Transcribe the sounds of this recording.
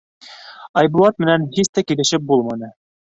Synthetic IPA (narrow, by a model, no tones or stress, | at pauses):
ɑjbuɑt̪̚mɘ̆nænhist̪ækilɘ̆ʃɘp̚bulˠmɑnɤ